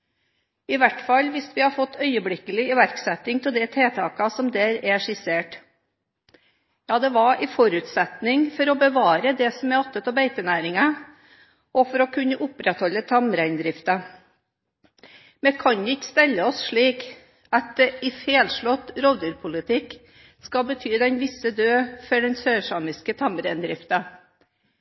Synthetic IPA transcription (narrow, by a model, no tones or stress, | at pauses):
ɪʋæʈfɑlːʋɪsʋɪhɑɾfɔt̪ːœʏəblɪkːəlɪɪʋæɾksɛt̪ːɪŋt̪ʰɪld̪ɛt̪ʰeːt̪ʰɑːkɑsɔmd̪æːɾɛʂɪseːʈ | jɑːd̪ɛʋɑʔɪfɔɾʉːt̪sɛt̪nɪŋfɔɾɔbəʋɑːɾəd̪ɛsɔmɛɔt̪ːət̪ɑbeɪt̪ənæːɾɪŋɑ | ɔfɔɾɔkʰʉnːəʔʊpɾɛt̪hɔlːət̪ʰɑmɾæɪnd̪ɾɪft̪ə | mɛkʰɑnɪkːə̥st̪ɛlːəɔsʂɭiːk | ɑt̪̚d̪ɛɪfeːlʂɭɔt̪ɾɔːd̪ʉɾpʰʊlɪt̪ʰɪkː | skɑbət̪ʰyːd̪ɛnʋɪsəd̪øːfɔɖɛnsøːʂɑːmɪskət̪ʰɑmɾæɪnd̪ɾɪft̪ə